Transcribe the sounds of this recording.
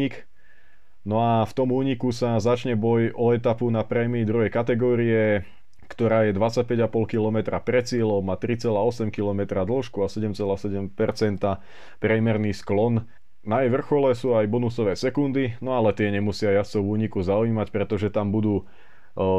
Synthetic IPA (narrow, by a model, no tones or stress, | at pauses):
ik | nɔaft̪ɔmuːɲikusazat͡ʃɲɛbɔjɔɛt̪apunapɾɛmiːd̪ɾuɦɛjkat̪ɛɡɔːɾiɛ | kt̪ɔɾaːjɛd̪ʋat͡sac̚pɛɟapɔlkilɔmɛt̪ɾapɾɛt͡sɪɛlɔʊmat̪ɾit͡sɛlaːɔsɛmkilɔmɛt̪ɾad̪l̩ʃkuasɛɟɛmt͡sɛlaːsɛɟɛmpɛɾt͡sɛnt̪a | pɾɛmɛɾniːsklɔn | najɛjʋr̩xɔlɛsuːajbɔnusɔʋɛːsɛkund̪inɔalɛt̪ɪɛɲɛmusɪajast͡sɔʊuːɲikuzauiːmacpɾɛt̪ɔʒɛt̪ambud̪uː